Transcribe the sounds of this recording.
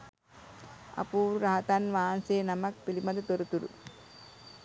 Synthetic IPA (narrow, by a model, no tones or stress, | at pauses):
ɐ̰puːɾɾaɦɐt̪anʋaːnseːnɐmɐk̚pilimɐd̪ɐt̪oɾut̪uɾṵ